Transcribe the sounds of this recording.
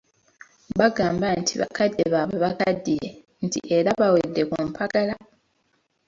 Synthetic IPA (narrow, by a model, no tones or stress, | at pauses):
baɡaːmbantʰiβa̰kadːeβaβe̞βakadːiɾe | ntḭʔe̞ɾaβawedːe̞kumpʰaɡala